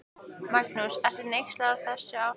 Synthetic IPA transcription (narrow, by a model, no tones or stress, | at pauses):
mak̚nusɛr̥θɪnejxst̪laɣaɾθɛsːaw